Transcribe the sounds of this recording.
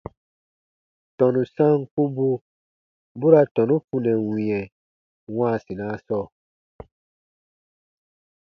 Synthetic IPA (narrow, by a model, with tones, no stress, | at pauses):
tɔ̃˨nũ˨sã˦˨ŋ˨ku˦bu˦ | bu˦ɾa˨tɔ̃˨nũ˦fu˦nɛ̃˨wĩ˨ɛ̃˨ | wã˦˨sĩ˨nã˦sɔ˦˨